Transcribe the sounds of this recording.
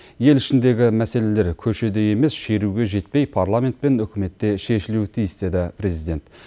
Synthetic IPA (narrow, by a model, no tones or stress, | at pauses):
je̞lɪʃɪnd̪e̞ɡʲɪmæse̞le̞le̞ɾkʲʰɵʃe̞d̪e̞je̞me̞sʃe̞ɾuɡʲe̞ʒe̞t̪̚pe̞jpʰarlˠamʲe̞nt̪pe̞nʏkʲɪme̞t̪ːe̞ʃe̞ʃɪlut̪ʰijɪsd̪e̞d̪ɪpʰɾe̞zijd̪e̞nt̪